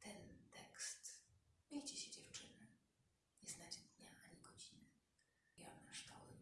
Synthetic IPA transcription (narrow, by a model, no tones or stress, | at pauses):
t̪ɛnt̪ɛkst̪mʲejt͡ɕɛɕɛd͡ʑɛft͡ʂɘnɛ | ɲɛznad͡ʑɛd̪ɲaaɲʲiɡɔd͡ʑinɨ | jɔɾnaʂtɔwɪ